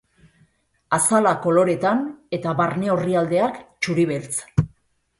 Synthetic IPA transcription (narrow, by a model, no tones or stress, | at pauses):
asalako̞lo̞ɾe̞t̪ane̞t̪aβaɾne̞o̞riald̪e̞akt͡ʃuɾiβ̞e̞lt͡s